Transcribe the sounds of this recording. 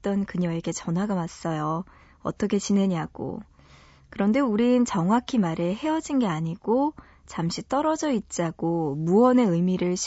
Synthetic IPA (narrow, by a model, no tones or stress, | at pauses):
t͈ʌnkɯɲʌeɡe̞t͡ɕʌnɦwaɡamas͈ʌjo | ʌ̰t͈ʌkʰe̞t͡ɕinɦe̞ɲiɦaɡ̥o̰ | kɯɾʌnde̞uɾiɯnt͡ɕʌŋɦakʰimaɾeɦe̞ʌd͡ʑinɡe̞aɲiɡ̥o | t͡ɕamɕ͈ʰit͈ʌɾʌd͡ʑʌit̚t͡ɕ͈aɡ̥omuʌne̞ɯmiɾɯɭɕʰ